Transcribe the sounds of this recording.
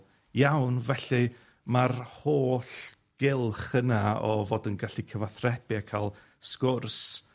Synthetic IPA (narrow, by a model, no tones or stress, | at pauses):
jawnvɛɬɨ | marhoːɬ | ɡ̥ɪlˠχənaɔvoːdənɡaɬikʰəvaθrɛb̥ɪakʰaːlˠ | skʊrs